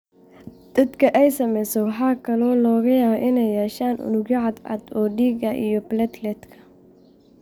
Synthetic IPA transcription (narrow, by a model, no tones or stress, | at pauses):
d̪̥ɐd̪kʰɐʔɛjsɐmɛjsɔwɑħɑːkʰɐlɔːlɔːɣɐjaːβɐʔɪnɛjːɛːʃaːnʔʊ̰nʊɣɐʕɑd̪ɐ̰d̪ɔːɖiːɡɐʔḭjɔplɐt̪lɛt̪kʰɐ̥